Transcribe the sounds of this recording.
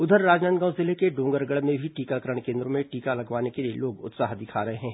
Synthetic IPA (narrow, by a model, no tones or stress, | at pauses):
ʊd̪ʱəɾːaːd͡ʒnaːnt̪ɡãːʊ̃zɪlekeɖõːŋɡəɾɡəɽmẽbʱiʈiːkakɐɾəɽ̃kẽːnd̪ɾõmẽʈiːkalɐɡʋaːnekeliḛloːɡʊ̰t̪saːɦd̪ɪkʰaːɾɐɦeɦɛ̃ː